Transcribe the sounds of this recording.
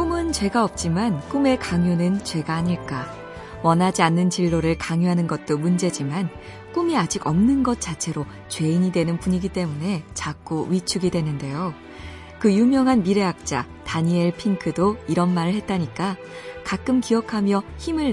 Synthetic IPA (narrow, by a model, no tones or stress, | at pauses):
kumɯnt͡ɕwe̞ɡaʌp̚t͡ɕ͈imank͈ume̞kaŋjunɯnt͡ɕwe̞ɡaːɲiɭk͈a | wʌnɦad͡ʑianːɯnt͡ɕiɭːoɾɯɭkaŋjuɦanɯnɡʌt̚t͈omund͡ʑe̞d͡ʑiman | k͈umiad͡ʑiɡʌmnɯnɡʌt̚t͡ɕ͈at͡ɕʰe̞ɾo | t͡ɕwe̞iɲidwe̞nɯnpuɲiɡit͈e̞mune̞t͡ɕak͈̚oɥit͡ɕʰuɡidwe̞nɯnde̞jo | kɯjumjʌŋɦanmiɾe̞ak̚t͡ɕ͈a̰ | taɲieɭpʰiŋkʰɯdoiɾʌnmaɾɯɭhe̞t̚t͈aɲik͈a | kak͈ɯmkiʌkʰamjʌçimɯɭ